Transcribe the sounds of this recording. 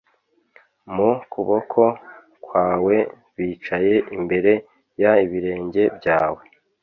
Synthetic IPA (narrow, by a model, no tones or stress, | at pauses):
mukuβo̞kʰo̞ | kwaːwe̞ | βiːt͡ʃaje̞ʔimbe̞ɾe̞ | jaiβiɾe̞ːɲɟe̞bɟaːwe̞